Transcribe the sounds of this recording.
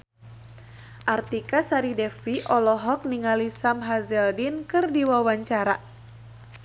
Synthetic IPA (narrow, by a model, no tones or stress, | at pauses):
ʔart̪ikasaɾidɛfiʔɔlɔɦɔk̚niŋalisamɦazɛldinkɨrdiwawaɲt͡ʃaɾa